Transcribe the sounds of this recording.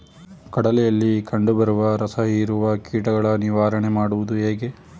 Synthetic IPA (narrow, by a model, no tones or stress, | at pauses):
kɐɽɐlɛjɐlːikɐɳɖubɐɾuʋɐɾɐsɐɦiɾuʋɐkiːʈɐɡɐɭɐniʋaːɾɐɳemaːɽuʋud̪uɦeːɡe̞